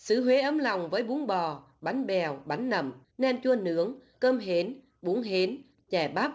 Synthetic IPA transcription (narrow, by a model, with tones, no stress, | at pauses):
sɨ˧˨˦ɦwe˨˦ʔəː˨˦mla˨˩wŋ͡mvəː˨˦jɓu˨˦əŋɓɔ˨˩ | ɓa˨˦jŋ̟ɓɛ˨˩wɓa˨˦jŋ̟nə˨˧˩m | nɛ˧mt͡ɕu˧ənɨ̰˧˥əŋkəː˧mɦe˨˦n | ɓu˨˦əŋɦe˨˦n | t͡ɕɛ˧˩ɓaː˦˥p̚